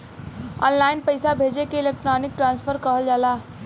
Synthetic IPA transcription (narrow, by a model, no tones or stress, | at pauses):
ɔ̰ːnlaːɪnpɐɪsabʱeːd͡ʒekeɪleːk̚ʈɾaːnɪk̚ʈɾãːnsfʰəɾkɔɦəld͡ʒaːlaː